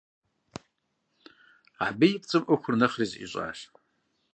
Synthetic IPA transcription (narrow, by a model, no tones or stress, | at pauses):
abɨjɪpʼt͡sʼɨmʔʊxʷʊrnɐχrizḭɕʼa̰ːʃ